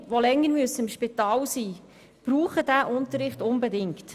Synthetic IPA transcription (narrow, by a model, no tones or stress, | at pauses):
ʋolɛŋːəɾmyəsəɪmʃpɪtɑːlsiː | b̥ɾuːχəd̥æʔʊnt̪əɾːɪχtʊnbedɪŋkt